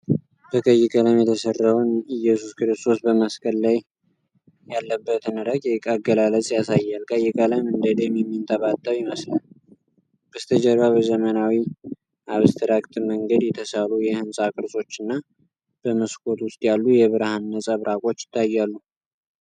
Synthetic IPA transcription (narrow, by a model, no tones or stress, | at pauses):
b̥əkʼəjːɪkʼələmjɛt̪ʰəsərːəwnɨjɛsuskɨɾɨst̪ʰo̞sbəməskʰʼəlːaj | jalːəbːət̪ɨnɨɾəɡjɛkʼaɡəlalət͡sʼjasajːalkʰʼəjːɪkʼələmɨnd̪əd̪emjɛmːint̪ʰʼəβat̪ʼːəwjɪməslan | b̥əst̪ʰəd͡ʒəɾwaβəzəmənawi | ʔaβst̪ʰɨɾakʼt̪ʰɨməŋɡəd̪jɛt̪ʰəsalujɛhɨnsʼakʼɨɾsʼo̞t͡ʃːɨnːa | b̥əməskʰʼo̞t̪wʊst̪ʼjalːujɛβɨɾahanːəsʼəβɾʔakʼo̞t͡ʃːɪ̥t̪ʰːajːalːu